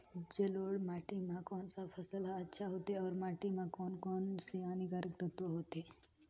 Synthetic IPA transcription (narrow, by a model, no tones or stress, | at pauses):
d͡ʒeloːɽmaːʈimãkɔːnsapʰəsəlaɐtːʃʰaɦot̪eɔːɾmaːʈimãkɔːnkɔːnsianiɡaːɾək̚d̪ət̪oɦoːt̪e